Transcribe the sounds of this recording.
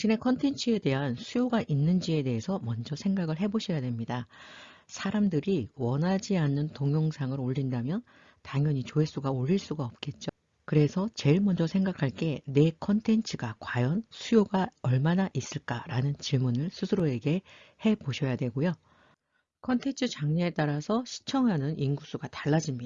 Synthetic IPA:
ɕ͈ʰine̞kʰʌntʰe̞nt͡ɕʰɯe̞de̞ɦansʰujoɡaʔinːɯnd͡ʑie̞de̞ɦesʰʌmʌnd͡ʑʌsʰe̞ŋɡaɡɯɭɦe̞boɕʰʌjadwe̞mɲida | sʰaɾamdɯɾiwʌnɦad͡ʑianːɯntoŋjoŋsʰaŋɯɾoʎːindamjʌn | taŋjʌɲit͡ɕoes͈uɡaoʎːiɭs͈uɡaʌp̚k͈e̞t̚t͡ɕ͈o | kɯɾe̞sʰʌt͡ɕe̞ɭmʌnd͡ʑʌsʰe̞ŋɡakʰaɭk͈e̞ne̞kʰʌntʰe̞nt͡ɕʰɯɡakwajʌnsʰujoɡaʌɭmanaʔis͈ɯɭk͈aɾanɯnt͡ɕiɭmunɯɭsʰusʰɯɾoe̞ɡe̞he̞boɕʰʌjadwe̞ɡojo | kʰʌntʰe̞nt͡ɕʰɯt͡ɕaŋɲeet͈aɾasʰʌɕʰi̥t͡ɕʰʌŋanɯnʔinɡus͈uɡataɭːad͡ʑimɲia

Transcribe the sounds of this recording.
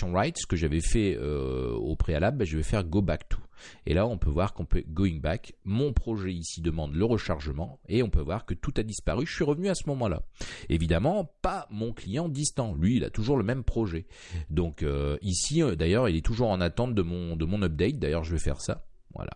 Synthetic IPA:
ɔ̃ʁajt̪sə̥kəʒavɛfɛø̰o̰pχealablɛʒəvɛfɛʁɡobakt̪ʰu̥ḛlaɔ̃pøvwaʁkɔ̃pøɡoiŋbakmɔ̃pχɔʒɛisid̪əmɑ̃d̪ləʁəʃaʁʒəmɑ̃eɔ̃pøvwaʁkət̪ut̪ad̪ispaʁyʒəsɥiʁəvnyasəmɔmɑ̃la̰evid̪amɑ̃pamɔ̃klijɑ̃d̪ist̪ɑ̃lɥiːla̰t̪uʒuʁləmɛmpχɔʒɛ | d̪ɔ̃køisid̪ajœʁilɛt̪uʒuʁɑ̃nat̪ɑ̃t̪̚d̪əmɔ̃d̪əmɔ̃nɔp̚d̪ɛt̪̚d̪ajœʁʒəvɛfɛ̰ʁsa̰ | vwa̰la̰

